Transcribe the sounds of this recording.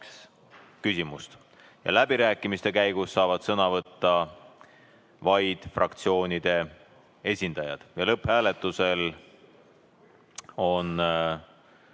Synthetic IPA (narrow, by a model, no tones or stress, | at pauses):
s | kysʲimust̪ | jɑ̰læbiɾæːkˑːimist̪e̞kæjɡ̥usːɑːvɑd̪̥sɤnɑvɤt̪ːɑ | vɑjd̪̥frɑkt̪sio̞ːnʲid̪̥e̞ | e̞sʲind̪̥ɑjɑ̰d̪̥jɑlɤphæːle̞t̪ːˑuse̞l | o̞n